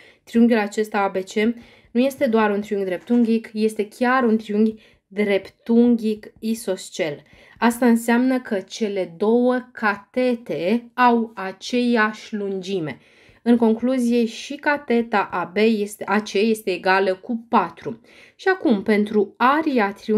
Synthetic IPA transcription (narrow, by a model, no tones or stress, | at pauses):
t̪ɾijuŋɡʲulat͡ʃe̞st̪aabe̞t͡ʃe̞ | nuje̞st̪e̞d̪oaɾunt̪ɾiuŋɡd̪ɾe̞p̚t̪uŋɡʲikje̞st̪e̞kʲaɾunt̪ɾijuŋɡʲ | d̪ɾe̞pt̪uŋɡʲikiso̞st͡ʃe̞l | ast̪aɨnseamnəkət͡ʃe̞le̞d̪o̞wəkʰat̪e̞t̪e̞awat͡ʃe̞jaʃʲlund͡ʒime̞ | ɨŋko̞ŋkluzije̞ʃikat̪e̞t̪aʔabe̞jeseʔat͡ʃeje̞st̪e̞ːɡaləkupat̪ɾu | ʃiakumpe̞nt̪ɾuaɾiat̪ɾiu